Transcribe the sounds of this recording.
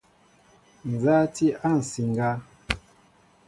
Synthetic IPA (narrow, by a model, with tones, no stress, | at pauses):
n̩˨za˦ti˦a˦˨n̩˨si˨ŋ˨ɡa˦